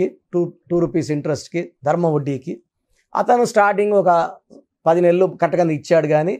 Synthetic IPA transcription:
iʈuʈuːɾupiːs̬iɳʈɾesʈkid̪ʱɐɾmɐʋoɖːiːki | ɐ̰t̪ɐnusʈaːɾʈiŋɡɔkɐ | pɐd̪ine̞lːukɐʈːɐkɐnd̪iit͡ʃːaːɽuɡaːni

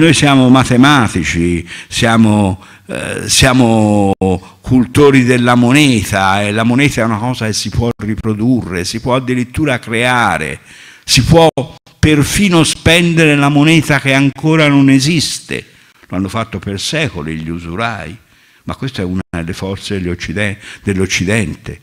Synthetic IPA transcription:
nojsjaːmomat̪emaːt̪it͡ʃisjaːmo | sjaːmo | kult̪oːɾid̪elːamonɛːt̪aelːamonɛːt̪aɛunakɔːzak̟esːipwɔripɾod̪urːesipwɔad̪ːiɾit̪ːuːɾakɾeaːɾḛ | sipwɔ | perfiːnospɛnd̪eɾelamonɛːt̪ak̟eaŋkoːɾanonezist̪ḛ | loanːofat̪ːopersɛːkolḭʎːiuzuɾaːi | makːwest̪oɛuːnaelːefɔrt̪sed̪elːot͡ʃːiɛd̪elːot͡ʃːid̪ɛnt̪e

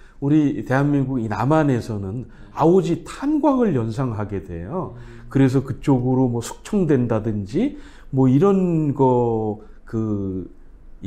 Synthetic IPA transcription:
uɾite̞ɦanminɡuɡinamane̞sʰʌnɯn | aod͡ʑitʰanɡwaŋɯɭjʌns̬ʰaŋɦaɡe̞dwe̞̰jo | kɯɾe̞s̬ʰʌkɯt͡ɕ͈oɡɯɾomwʌsʰu̥k̚t͡ɕʰʌŋdwe̞ndadɯnd͡ʑi | mwʌiɾʌnɡʌ | kɯ

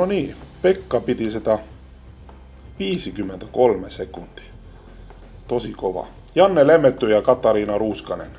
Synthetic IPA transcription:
noniːpekːɑpit̪isit̪æ | ʋiːsikymːent̪ækolmesekund̪̥i̥ | t̪osikoʋɑ̰ | jɑnːelemːet̪ːyjɑkɑt̪ːˑɑɾiːnɑruːskɑnen

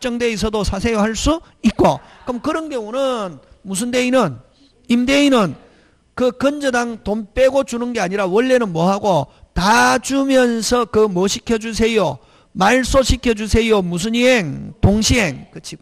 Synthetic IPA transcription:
t͡ɕ͈ʌŋdeis̬ʰʌdosʰasʰejoɦaɭs͈u | it̚k͈o | kɯmkɯɾʌnɡe̞onɯnmus̬ʰɯndeinɯn | imdeinɯn | kɯkɯnd͡ʑʌdaŋtomp͈eɡod͡ʑunɯnɡe̞aɲiɾawʌɭːe̞nɯnmwʌɦaɡotad͡ʑumjʌnsʰʌkɯmʌɕʰikʰjʌd͡ʑusʰe̞jo | maɭs͈oɕʰikʰjʌd͡ʑusʰe̞jomus̬ʰɯɲieŋtoŋɕʰiɦeŋkɯt͡ɕʰi

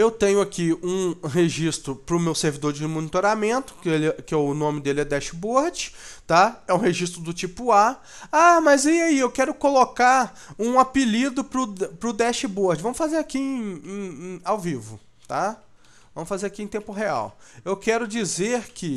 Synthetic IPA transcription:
ewt̪ẽɲʊakiũɦeʒist̪ɾʊpɾʊmewseɾvid̪oɾd͡ʒɪmõnit̪oɾamẽnt̪ʊ̥kelɛkɪɛʊnõmɪd̪elɪɛd̪ɛʃɪboɾd͡ʒɪ̥t̪aɛũɦeʒist̪ɾʊd̪ʊt͡ʃipʊa | amɐziaiewkɛɾʊkolokaɾ | ũapilid̪ʊpɾʊpɾʊd̪ɛʃɪboɾd͡ʒɪvɐ̃mʊsfazeɾakiẽẽẽawvivʊ | t̪a | vvɐ̃mʊsfazeɾakiẽt̪ẽpʊɦea̰wewkɛɾʊd͡ʒizeɾkʰɪ

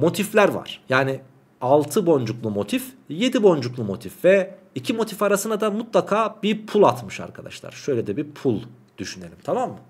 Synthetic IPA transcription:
mo̞t̪ʰiflʲæɾva̰ɾ̥jaːni | alˠt̪ʰɯbo̞nd͡ʒuklˠumo̞t̪ʰifje̞d̪ibo̞nd͡ʒuklˠumo̞t̪ʰifvɛ | icʰimo̞t̪ʰifaɾasɯnad̪amut̪lˠakʰaːbiɾpʰulˠat̪mɯʃa̰ɾkʰad̪a̰ʃlˠa̰ɾ̥ʃø̞jlʲɛd̪ɛbipʰulˠ | d̪̥yʃyne̞lʲimt̪ʰamamːɯ

